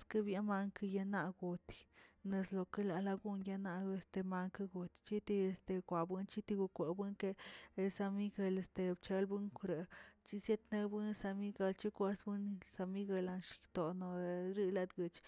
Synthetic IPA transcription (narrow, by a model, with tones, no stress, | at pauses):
ske˦bja˦ma˧ŋka˧ja˧na˧ɡu˨t̪i̥˨ne˧slo˧ke˦la˨la˧ɡu˦nja˧na˧e˧st̪e˧ma˧ŋka˧ɡu˨t̪t͡ʃi˦t̪i˧e˧st̪e˨˧kʷa˨bɨ˦nt͡ʃi˦t̪i˧ɡu˧kʷe˨bɨ˦ŋke˧sa˧mi˦ɡa˧le˧st̪e˧b̚t͡ʃe˧lbu˦ŋkɾe˨t͡ʃi˦sje˦t̪ne˧bɨ˦nsa˧mi˦ɡa˧lt͡ʃi˦kʷe˧sbɨ˦nsa˧mi˦ɡa˧la˧nʃt̪o˨no˨˧ɾi˦la˧d̪ɡɨ˧t͡ʃ